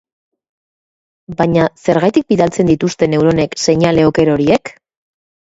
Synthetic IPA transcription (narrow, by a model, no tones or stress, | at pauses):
baɲase̞ɾɣajt̪ik̚biðalt͡se̞nd̪it̪ust̪e̞ne̞wɾo̞ne̞kse̞ɲale̞oke̞ɾo̞ɾie̞k